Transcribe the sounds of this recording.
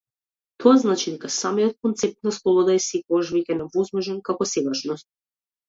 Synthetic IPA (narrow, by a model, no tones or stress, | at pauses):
t̪ʰɔaznat͡ʃid̪ɛkasamijɔt̪̚kɔnt̪sɛp̚t̪̚naslˠɔbɔd̪aɛsɛkɔɡaʃvɛcɛnɛvɔzmɔʒɛnkakɔsɛɡaʃnɔst̪̚